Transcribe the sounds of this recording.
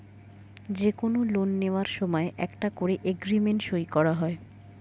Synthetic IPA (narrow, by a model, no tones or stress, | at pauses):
d͡ʑekonolonːeoaɾʃɔmɔeʔɛ̰kʈakoɾeʔeɡɾimeɳʈʃojkɔɾaɦɔe